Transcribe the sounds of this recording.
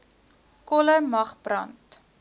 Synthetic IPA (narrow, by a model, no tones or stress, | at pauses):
kɔləmɐχbrɐ̰nt